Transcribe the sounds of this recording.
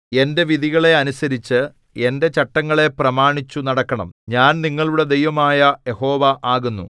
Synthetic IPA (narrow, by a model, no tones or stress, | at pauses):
e̞nde̞ʋiðʱiɣɐɭe̞ɐnusɐɾit͡ɕːɨ | e̞nde̞t͡ɕɐʈːɐŋːɐɭe̞prɐmaːɳit͡ɕːunɐɽɐkːɐɳɐ̰mɲaːnniŋːɐɭuɽe̞d̪ejʋɐmaːjɐje̞ho̞ːʋɐʔaːɣunːu